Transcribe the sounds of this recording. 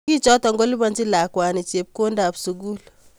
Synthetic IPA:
i˦t͡ʃɔ˦tɔ˨ŋɡɔ˦li˦ba˨nd͡ʒi˦la˨kwa˨ni˨t͡ʃe˨p̚ko˦nda˨bsu˨ɡu˦l

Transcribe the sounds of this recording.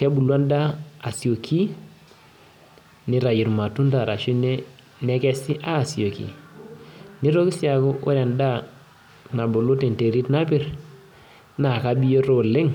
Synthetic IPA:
kɛ˦bu˨lwa˦nda˦a˨si˨o˨kʰi˦ | ni˦ɾa˨ji˨ɾma˨tu˦nta˨ɾa˨ʃu˦ne˦ | nɛ˦kɛ˦si˦ʔaː˦˨si˨o˨kḭ˨ | ni˦ɾo˦ki˦sja˨ko˦ʔo̰˦ɾɛ˨nda˦ | na˨bo˨lo˦te˨nte˨ɾi˦tna˦pɪ˦˨ɾ | na˨ka˦bi˦jo˦ɾo˦lɪ˦ŋ

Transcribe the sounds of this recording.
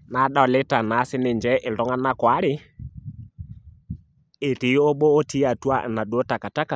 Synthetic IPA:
na˨˦ɗa˦˨lɪ˦ta˨na˨˦sɪ˦nɪ˨nd͡ʒɛ˦ʔɪ˨ldɔ˦ŋa˦na˦kwa˦ɾɪ˦ | e˨tɪ˨˦o˦ɓo˦o˦ti˦a˨tu˦a̰˦˨na˨ɗo˨˦ta˨ka˨ta˦ka˨

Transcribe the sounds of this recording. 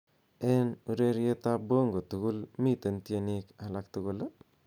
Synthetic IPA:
ɛ˦nu˨ɾe˦ɾje˦ta˦bo˦ŋɡo˨tu˨ku˦lmi˦tə˨nti˦eni˦kala˦k̚tu˦ku˦l

